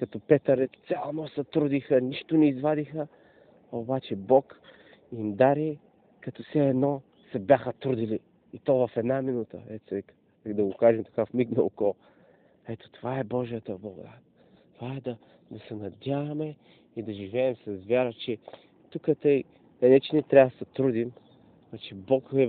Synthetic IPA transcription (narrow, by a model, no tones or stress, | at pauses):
kɐt̪ɔpɛt̪əɾɛt̪t̪sʲalˠnɔsɐt̪ɾud̪ixəniʃt̪onɛizvad̪ixə | obat͡ʃɛbɔk | imd̪aɾi | kɐt̪ɔfsɛːd̪nɔ | sɛbjaxət̪ɾud̪iliː | t̪ɔvɐfɛd̪naminut̪ə̰ɛt̪sɛɛk | d̪ɐɡokaʒɛmt̪ɐ̥kafmiknɐokɔ | ɛt̪o̥t̪ovaɛbɔʒijət̪əblˠɐɡʊ̰d̪a | t̪ovaɛd̪ɐ | d̪ɐsɛnɐd̪ʲjavɐmɛ | id̪ɐʒivɛːmsɐsvʲjaɾət͡ʃɛ | t̪ukət̪əj | ɛnɛt͡ʃɛnit̪ɾʲavsɐt̪ɾud̪im | t͡ʃɛbɔkɛ